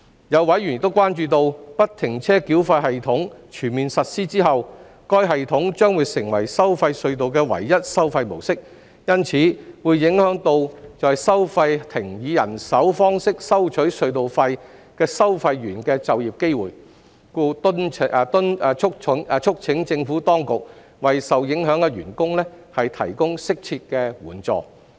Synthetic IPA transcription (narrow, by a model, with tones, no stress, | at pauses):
jɐ˨˧wːɐ˨˥jɥy˨nɪ˨k̚t̪o˥wkwaː˥nt͡ʃyː˧t̪̬o˧wpɐ˥tt̪ʰːɪ˨˩ŋt͡sʰɛː˥ki˨˥wfɐ˧jɦɐ˨jt̪ʰʊ˨˥ŋt͡ʃʰyː˨˩nmiː˨nsɐ˨t̚siː˥t͡siː˥ɦɐ˨w | kɔː˥jɦɐ˨jt̪ʰʊ˨˥ŋt͡ʃœː˥ŋwuː˨˧jsɪ˨˩ŋwɐ̰˨˩jsɐ˥wfɐ˧jsɵ˧ɥt̪o˨wkɛː˧wɐ̰˨˩jːɐ˥t̚sɐ˥wfɐ˧jmo˨˩wsɪ˥k̚ | jɐ˥nt͡sʰiː˨˥wuː˨˧jːɪ˨˥ŋhœː˨˥ŋt̪o˧wt͡sɔː˨jsɐ˥wfɐ˧jt̪ʰɪ˨˩ŋjiː˨˧jɐ̰˨˩nsɐ˨˥wfɔː˥ŋsɪ˥k̚sɐ˥wt͡ʃʰɵ˨˥ɥsɵ˧ɥt̪o˨wfɐ˧j | kɛː˧sɐ˥wfɐ˧jːyː˨˩nkɛː˧t͡sɐ˨wjiː˨p̚ke˥jwuː˨˩j | kuː˧t̪ʊ˥nʰ˧t̪ʊ˥n˧t͡ʃʰʊ˥k̚ʰŋ˨˧t͡ʃʰʊ˥k̚t͡sʰɪ˨˥ŋt͡sɪ˧ŋfu˨˥t̪ɔː˥ŋkʊ˨k̚ | wɐ˨jsɐ˨wjɪ˨˥ŋɦœː˨˥ŋkɛ˧ɥyː˨˩nkʊ˥ŋlɛ˥ | hɐ˨jt̪ʰɐ̰˨˩jkʊ˥ŋsɪ˥k̚t͡sʰiː˧t̚kɛː˧wṵː˨˩nt͡sɔ̰ː˨˧